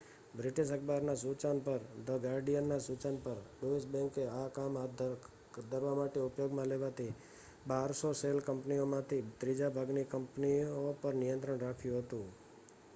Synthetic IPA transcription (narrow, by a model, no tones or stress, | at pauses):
bɾɪʈiʃəkʰbaɾnasut͡ʃanpəɾd̪əɡaɾɖijənːasut͡ʃanpəɾɖoisbɛ̃ŋkeakama | d̪ʱəɾʋamaʈeʊpjoɡmãleʋat̪ʰi | baɾsoselkəmpniomãt̪ʰit̪ɾid͡ʒabʱaɡnikəmpniopəɾnijə̃nt̪ɾəɳɾakʰjũɦət̪ũ